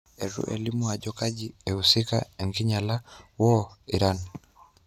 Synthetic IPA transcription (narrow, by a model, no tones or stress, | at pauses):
eɾṵʔḛlimuaɟɔkaɟieusika̰eŋɡiɲalawɔiɾani